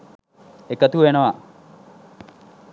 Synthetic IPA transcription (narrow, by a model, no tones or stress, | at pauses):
ekət̪uʋenəʋa